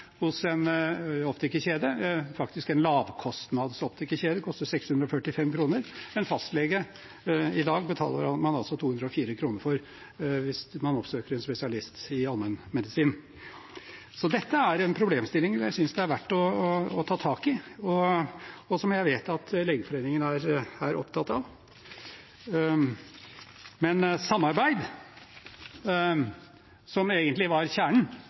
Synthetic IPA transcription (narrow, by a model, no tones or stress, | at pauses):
hʊsɛnɔft̪əɪkːəçeːd̪əfɑkt̪ɪskɛnlɑːʋkʰɔst̪nɑd̪sɔft̪əɪkːəçeːd̪əkʰɔst̪əɾsɛkshʉnd̪ɾɔfœʈːɪfɛmkʰɾuːnəɾmɛnfɑst̪lɛɡə | ɪd̪ɑːɡbət̪ʰɑ̰ːlə̰ɾɑmɑnɑlsɔt̪ʰuːhʉnd̪ɾɔfiːɾəkʰɾuːnəɾfɔɾ | ʋɪsmɑnɔpsøːkəɾɛnspɛsɪɑlɪst̪ɪɑlmənmɛd̪ɪsiːn | sɔd̪ɛt̪ːəæɾɛnpʰɾʊbleːmst̪ɪlːɪŋjæɪsʏnsd̪ɛæɾʋæʈːɔːt̪ʰɑːt̪ʰɑːkɪɔ | ɔsɔmjæɪʋeːt̪ɑt̪leːɡəfɔɾeːnɪŋənæɾæɾʔɔ̰pt̪ʰɑt̪ːɑʋ | mɛnsɑmːɑɾbæɪd̪ | sɔmeːɡənt̪lɪʋɑɾçæːɳɳ̩